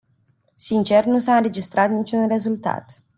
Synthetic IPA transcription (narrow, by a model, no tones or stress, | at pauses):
sint͡ʃe̞rnusaɨnɾe̞d͡ʒist̪ɾat̪nit͡ʃʲunre̞zult̪a̰t̪